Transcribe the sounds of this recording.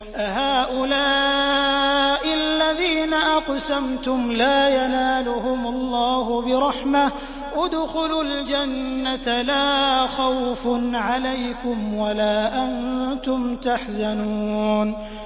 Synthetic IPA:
ʔahaːʔʊlaː | ʔɪalːaðiːnaʔɑqsamt̪ʊmlaːjanaːlʊhʊmʊlˤːɑːhʊbɪɾˤɑħma | ʔad̪xʊlʊld͡ʒanːat̪laːxawfʊnʕalajkʊmwalaːʔant̪ʊmt̪aħzanuːn

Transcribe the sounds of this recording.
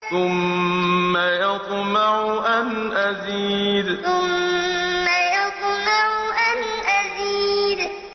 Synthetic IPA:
θʊmː | ajɑt̪ˤmaʕʊʔanʔaziːd̪θʊmː | ajɑt̪ˤmaʕʊʔanʔaziːd̪

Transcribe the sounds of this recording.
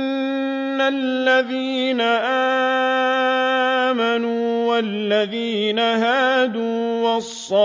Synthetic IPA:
alːaðiː | naʔaː | manuːwallːaðiːnaɦaːd̪uːwɑsˤːɑ

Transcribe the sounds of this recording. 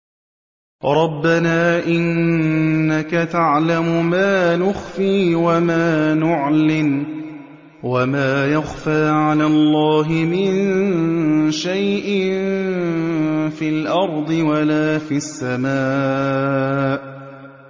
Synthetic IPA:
ɾˤɑbːanaːʔɪnː | akat̪aʕlamʊmaːnʊxfiːwamaːnʊʕlɪm | wamaːjaxfaːʕalaːlˤːɑːɦɪmɪn | ʃajʔɪn | fiːlʔɑɾˤd̪ˤɨwalaːfiasːamaː | ʔ

